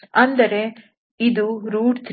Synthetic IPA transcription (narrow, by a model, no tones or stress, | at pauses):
ɐnd̪ɐɾe̞ | id̪uɾuːɖt̪ʰɾ